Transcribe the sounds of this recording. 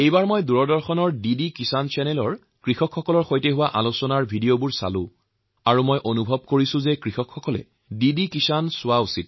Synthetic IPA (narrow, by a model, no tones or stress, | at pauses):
ejbaɹmɔjduɹɔdɔɹxɔnɔɹdidikisansɛnɛlɔɹ | kɹixɔkʰxɔkɔlɔɹxojtɛɦʊwaʔalosɔnaɹbʱidiobuɹsa̰lʊ̃ | aɹumɔjʔonubʱɔb̚koɹisʊ̃zekɹixɔkʰxɔkɔlɛ̰ | didikisansʊwausit̚